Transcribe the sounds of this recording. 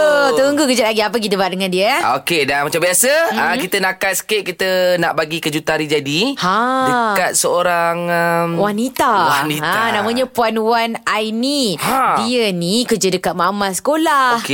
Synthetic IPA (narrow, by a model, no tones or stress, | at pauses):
ət̪əuŋɡukəd͡ʒat̪̚aɡiap̬ək̬it̪̬əbaat̪̚dəŋandiəokedanmat͡ʃambiasəəkit̪ənakat̪̚sə̥keʔ̚kit̪əna̰ʔbaɡikəd͡ʒut̪aɾid͡ʒadihadəkat̪̚səoɾaŋəmwanit̪awanianãmə̃ɲãpuanwanajnihadiənikərd͡ʒədəkat̪̚mamasə̥kolahk